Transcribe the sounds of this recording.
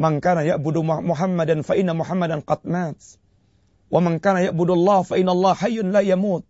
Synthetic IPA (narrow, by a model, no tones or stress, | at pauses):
mankaːnajaʔbʊd̪mʊħamːad̪anfaʔɪnːamʊħamːad̪anqɑd̪maːt̪ | wamankaːnajaʔbʊd̪ʔɑlˤːɑːhfaʔɪnːʔɑlˤːɑːhħajːʊnlaːjamuːt̪̚